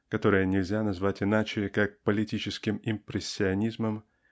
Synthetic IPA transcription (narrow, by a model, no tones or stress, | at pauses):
kɐt̪o̞ɾɨjənʲɪlʲzʲanɐzvatʲɪnat͡ɕɪkak̚pəlʲɪtʲit͡ɕɪskʲɪmɪmpɾʲɪsʲːɪɐnʲizməm